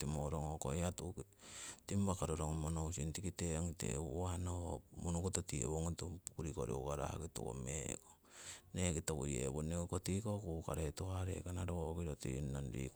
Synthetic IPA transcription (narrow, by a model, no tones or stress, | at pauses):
timoɾoŋokojatuktimbakaɾoɾoŋmonowsintikiteaŋtḛanoomunukototiḛβoŋotupukuɾikoɾḭokaɾa̰ha̰kitṵko̰meko | nekitokujḛβonekotikokukaɾetohaɾḛkanaɾookiɾotḭnanɾḭk